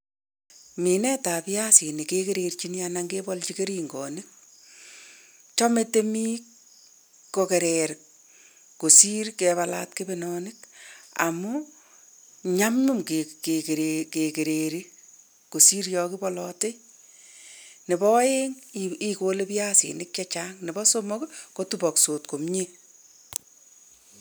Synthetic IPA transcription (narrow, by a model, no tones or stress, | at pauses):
minɛtapjasinikekeɾeɾt͡ʃinjanaŋɡebɔlt͡ʃikeɾiːŋɡɔnik̚ | t͡ʃɔmetemi | kokeɾeɾk̚ː | osiɾkeβala̰tkebenɔnɪka̰mu | ɲamɲumkekekeɾekekeɾeɾi | kosiɾjɔkibɔlɔte | nɪbɔjeŋikolepjaːsḭnɪk̚t͡ʃat͡ʃaŋnɪbɔsomɔkkotubɔksotkomɲe